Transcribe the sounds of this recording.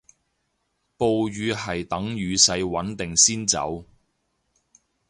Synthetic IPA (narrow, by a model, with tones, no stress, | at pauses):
po˨wjyː˨˧ɦɐ˨˩jt̪ɐ˨˥ŋɥyː˨˧sɐ˧jwɐ˨˥nt̪ɪ˨ŋsiː˥nt͡sɐ̰˨˥w